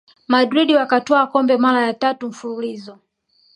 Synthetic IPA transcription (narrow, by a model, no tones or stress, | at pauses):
madɾiɗiwakatɔakɔmbɛmaɾajatatum̩fululizɔ